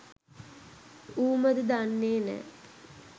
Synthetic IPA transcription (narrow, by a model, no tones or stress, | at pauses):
uːməd̪əd̪anːeːnɛ̰ː